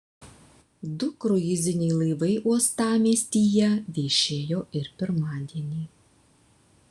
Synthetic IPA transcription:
d̪ʊkɾʊɪzʲɪnʲɛɪlˠɐɪʋɐɪʔuɔst̪ɑːmʲeːsʲt̪ʲiːjɛʋʲeːʃʲeːjoːɪɾpʲɪɾmɑːd̪ʲiɛnʲiː

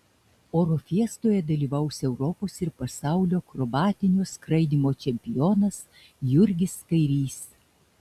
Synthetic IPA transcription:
oːɾofʲiɛst̪oːjɛd̪ɐlʲiːʋɐˑʊsʲɛʊɾɔpoːsɪɾpɐsɑˑʊlʲoːkɾɔbɑːt̪ʲɪnʲoːskɾɐɪd̪ʲiːmoːt͡ʃʲɛmʲpʲɪjoːnɐs | jʊɾʲɡʲɪskɐɪɾʲiːs

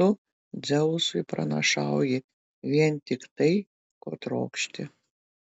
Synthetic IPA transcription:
ʊ | d̪zʲɛʊsʊjpɾɐ̰nɐ̰ʃɑˑwjɪ | ʋʲiɛnt̪ʲɪkt̪ɐɪ | koːt̪ɾo̰ːkʃʲt̪ʲɪ

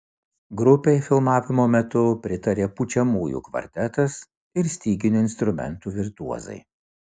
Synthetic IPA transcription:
ɡɾʊpʲɛɪfʲɪlˠmɑːʋʲɪmoːmʲɛt̪ʊpʲɾʲɪt̪ɐɾʲeːput͡ʃʲɛmuːjṵːkʋɐ̰ɾʲt̪ʲɛt̪ɐs | ɪɾsʲt̪ʲiːɡʲɪnʲuːɪnst̪ɾʊmʲɛ̰nˑt̪uːʋʲɪɾt̪uɔzɐ̰ɪ

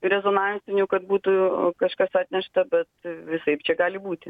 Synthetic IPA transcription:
ɾʲɛzoːnɑnʲnʲsʲɪnʲukɐt̪̚buːt̪ukɐʃkɐsɑːt̪ʲnʲɛʃt̪ɐbʲɛt̪ʋʲɪsɐɪpt͡ʃʲɛɡɑːlʲɪbuːt̪ʲɪ

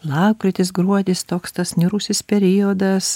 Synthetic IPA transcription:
lˠɑːkɾʲɪt̪ʲɪsɡɾuɔd̪ʲɪst̪oːkst̪ɐsnʲɪɾʊsʲɪspʲɛɾʲɪjod̪ɐs

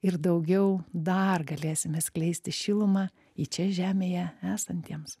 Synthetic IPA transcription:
ɪrd̪ɐʊɡʲɛʊd̪ɐrɡɐlʲeːsʲɪmʲɛːsklʲɛɪsʲt̪ʲɪʃʲɪːlˠʊmɑː | it͡ʃʲɛʒʲæːmʲeːjɛæːsɐnʲt̪ʲiɛms

